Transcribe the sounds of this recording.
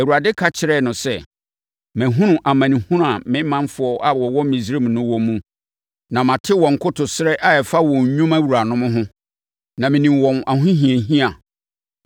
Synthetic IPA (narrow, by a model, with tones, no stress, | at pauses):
æ˨wu˨a˨dɪ˦kʰa˦t͡ɕʰɪ˨ɾɛ˦˨nʊ̃˨sɛ˦˨ | mæ̃˨ɦũ˦nʊ̃˨ʔa˨mã˨nĩ˨hũ˦n˦a˨mɪ̃˦mːã˦nfʊ˨ɔ˦ʔa˨wɔ˨wɔ̃˦m˦mĩ˨sɾe˦˨m˨nʊ̃˦wɔ̃˨mːũ˦ | nã˨mã˨tʰɪ˦wɔ̃˨ŋ̩˨kʰʊ˦tʰʊ˨sɪ˦ɾɛ˦ʔa˦ɛ˨fa˦wɔ̃˨ɲ˨ɲũ˦ma˦wu˨ɾa˨nʊ̃˦mʊ̃˦ɦʊ̃˦ | nã˨mɪ̃˨nĩ˨mwɔ̃˨na˨ɦʊ̃˦ɦĩ˨ẽ˨ɦĩ˦a˨